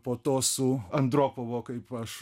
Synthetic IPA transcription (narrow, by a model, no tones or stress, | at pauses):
poːt̪oːsʊɐnd̪ɾoːpoʋoːkɐɪpɐʃ